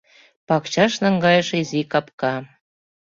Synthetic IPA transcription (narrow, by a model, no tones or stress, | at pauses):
pɑkt͡ɕɑʃnɑŋɡɑjəʃizikɑpkɑ